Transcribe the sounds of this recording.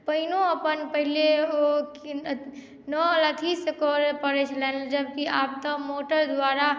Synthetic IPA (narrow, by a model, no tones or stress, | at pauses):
pəɦinoəpənpəɦileok | nəlat̪ʰisekɔɾpəɾɛt͡ʃʰlɛnld͡ʒəbkiab̚t̪əmoʈəɾd̪waɾa